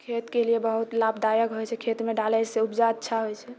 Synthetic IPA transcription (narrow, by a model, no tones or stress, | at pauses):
kʰet̪keliebəɦut̪labd̪ajəɡɦojt͡ʃʰɛkʰet̪meɖalɛjseupd͡ʒaətːʃʰaɦojt͡ʃʰɛ